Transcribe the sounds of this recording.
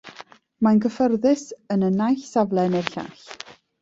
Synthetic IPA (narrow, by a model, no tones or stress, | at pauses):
manɡəfərðɪsənənajɬsavlˠɛnerɬa̰ɬ